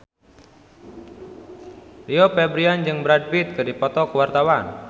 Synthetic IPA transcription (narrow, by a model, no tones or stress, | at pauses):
liopɛbɾiand͡ʒɨŋbɾad̚bit̪̚kɨdipɔt̪ɔkwart̪awan